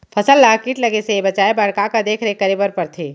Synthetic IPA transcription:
pʰɐsəlːaːkiːʈlɐɡesebɐt͡ʃaːebɐɽkakad̪eːkʰɾekɐɾebəɾpɐɾt̪ʰeː

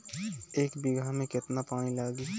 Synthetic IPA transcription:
eːkbɪɡʱamẽkɪt̪napaːnilaːɡi

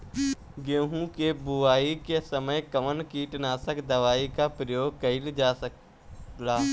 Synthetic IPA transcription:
ɡẽːɦũkebʊaːikesəməjkəʋənkiːʈnaːsəkd̪əʋaːikapɾəjoːɡ̚kɐɪld͡ʒaːsək | laː

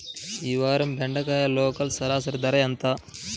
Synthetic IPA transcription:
iːʋaːɾɐmbʱeɳɖɐkaːjɐloːkɐlsɐlaːs̬ɐɾd̪ɐɾɐjɐnt̪a

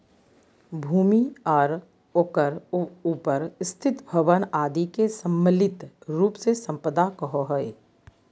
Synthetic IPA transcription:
bʱuːmiɔːɾ | oːkəɾuːpəɾst̪ʰɪt̪bʱəʋənaːd̪ikesə̃mːəlɪt̪ɾuːpsesə̃mpəd̪akəɦoɦəe

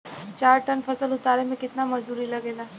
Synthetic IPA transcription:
t͡ʃaːɾʈɐnfɐsəlʊt̪aːɾemẽkɪt̪namɐd͡ʒd̪uːɾilɐɡeːlaː

